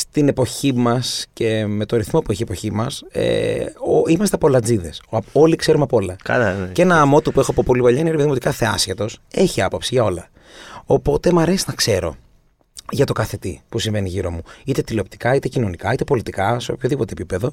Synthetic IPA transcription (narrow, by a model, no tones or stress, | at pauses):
st̪ine̞po̞çimɐsce̞me̞t̪o̞ɾiθmo̞pueçiepo̞çimɐsḛ | imɐst̪eɐpo̞lɐd͡ziðe̞so̞likse̞ɾunɐpo̞lɐkɐ̰enɐːmo̞t̪upuexoɐpo̞po̞lipɐʎɐineɾieðimot̪ikɐθeɐ̰sçet̪o̞se̞çiɐpo̞psiʝɐo̞lɐ | opo̞t̪e̞mɐɾe̞sinɐkse̞ɾo̞̰ | ʝɐt̪okɐθe̞t̪ipusiɱve̞niʝiɾo̞muit̪e̞t̪ileop̚t̪i̥kɐit̪e̞cino̞nikɐit̪e̞po̞lit̪ikɐseo̞pçoðipot̪eːpipe̞ðo̞